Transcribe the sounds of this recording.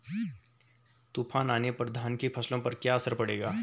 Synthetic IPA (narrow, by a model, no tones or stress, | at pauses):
t̪uːpʰaːnaːnepɾəd̪ʱaːnkepʰɐslõpɐɾkjaɐsəɾpɐɽeːɡaː